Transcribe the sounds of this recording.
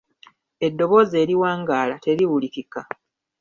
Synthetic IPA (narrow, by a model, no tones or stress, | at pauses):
e̞dːo̞βo̞ze̞ːɾiwaːŋɡaːlate̞ɾiwulikika